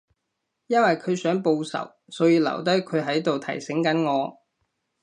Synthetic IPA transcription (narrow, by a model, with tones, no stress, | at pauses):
jɐ˥nwɐ˨jkʰɵ˨˧ɥsœː˨˥ŋpo˧wsɐ̰˨˩w | sɔː˨˥jiː˧lɐ̰˨˩wt̪̬ɐ˥jkʰɵ˨˧ɥɦɐ˨˥jt̪o˨wt̪ʰɐ˨˩jsɪ˨˥ŋkɐ˨˥nŋɔː˨˧